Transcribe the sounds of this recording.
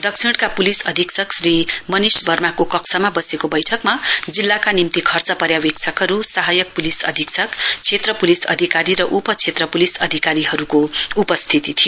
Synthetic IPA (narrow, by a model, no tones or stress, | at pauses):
d̪ʌksʰiɽ̃kapulisʌd̪ʱiksʰʌksrimʌnisbʱʌrmakokʌksʰʌmabʌsekobʌjʈʰʌkmad͡zilːakanimt̪ikʰʌrt͡sʌpʌɾjawekt͡sʰʌkɦʌɾusaɦʌjʌk̚pulisʌ̰d̪ʱiksʰʌkt͡sʰet̪rʌpulisʌ̰d̪ʱikaɾiɾʌʔupʌt͡sʰet̪rʌpulisʌd̪ʱikaɾiɦʌɾukoupʌst̪ʰit̪it̪ʰijo